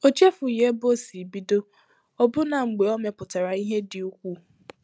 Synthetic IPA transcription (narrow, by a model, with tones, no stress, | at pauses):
o˦t͡ʃe˦fʊ˨je˦bo˦˨si˨bi˦do˦ | ɔ˦bʊ˦na˨ŋ͡m̩˨ɡ͡be˨ɔ˦me˨pʊ˨ta˨ɾa˨i˦ɦe˦dɪ˨u˦kʷu˦